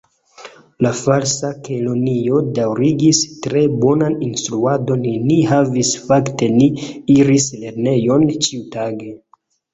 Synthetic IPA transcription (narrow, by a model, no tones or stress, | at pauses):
lafalsakʰolo̞nio̞dawɾiɡistɾe̞bo̞naninstɾuado̞nniɦavisfakte̞niiɾisle̞ɾne̞jo̞nt͡ʃiutaɡe̞